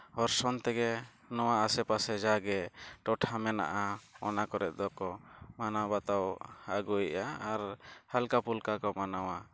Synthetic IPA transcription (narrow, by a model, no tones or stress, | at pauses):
hɔɾsɔnt̪ɛɡɛ | nɔwaasɛpasɛd͡ʒaɡɛʈɔʈʰamɛna̰ʔaɔnakɔɾɛʔ̪̚ˀd̪ɔkɔmanabat̪awaɡujʔaaɾhalkapulkakɔmanawa